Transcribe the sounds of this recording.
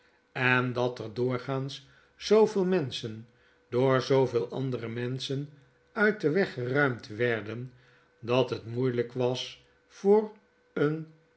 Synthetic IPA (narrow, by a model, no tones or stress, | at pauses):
ɛndɑtəɹdʊːɹχaːns | z̥owvɪːlˠmɛnsən | doːɹzowveːlˠʔɑ̰ndərəmɛnsən | œɥt̚dəʋɛχərœɥmtʋɛɹdən | dɑtɦətmujləkʋɑs | fʊːr | ən